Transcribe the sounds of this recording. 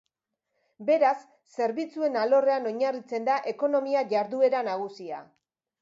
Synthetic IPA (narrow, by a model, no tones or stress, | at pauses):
be̞ɾasː | e̞ɾβit͡sue̞nalo̞re̞ano̞ɲarit͡se̞nd̪aʔe̞ko̞no̞miaʝaɾðue̞ɾanaɣ̞usia̰